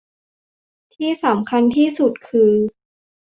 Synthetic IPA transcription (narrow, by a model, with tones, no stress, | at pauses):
t̪ʰiː˥˩sa˩˦mkʰa˧nt̪ʰiː˥˩su˨˩t̪̚kʰɯː˧